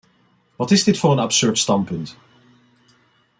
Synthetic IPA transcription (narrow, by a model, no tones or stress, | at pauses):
wɒtɪzðɪtfəɹə̃nab̥sɜ˞d̥stãmpʰə̃nt